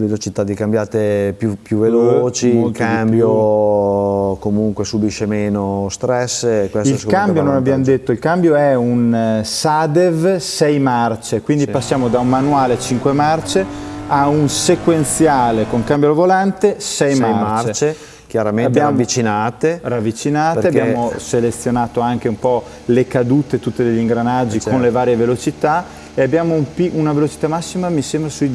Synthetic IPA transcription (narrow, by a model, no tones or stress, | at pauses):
velot͡ʃit̪ad̪ːikambjaːt̪epjupjuvːelooːt͡ʃikambjo | komuŋkwesubiʃemeːnost̪ɾɛsːkwestilsskkambjononabːjamod̪et̪ːoilkambjoɛunsad̪evsɛjmart͡ʃekwind̪ipasːjaːmod̪aunmanuaːlet͡ʃiŋkwemart͡ʃeaunsekwent̪sjaːlekoŋkambjolovolant̪esɛjmamat͡ʃɾet͡ʃe | kjaɾamẽab̪jaːmavːit͡ʃinaːt̪eravːit͡ʃinaːtp̪eabːjaːmmoselet̪sːjonaːt̪oaŋk̟eumpɔ | lekad̪uːt̪et̪ut̪ːed̪eʎːiŋɡɾanad͡ʒːikonlevaːɾjevelot͡ʃit̪a | eabːjaːmoumpiunavelot͡ʃi̥t̪amasːimamisembɾasui